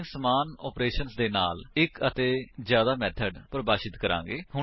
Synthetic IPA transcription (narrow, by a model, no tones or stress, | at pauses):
ŋsəmaːnɔ̰ːpɾeːʃənsd̪eːnaːlɪkət̪eːzjaːd̪aːmɛːt̪ʰəɖpɾəbaːʃɪt̪kəɾã̰ːŋɡeːɦʊ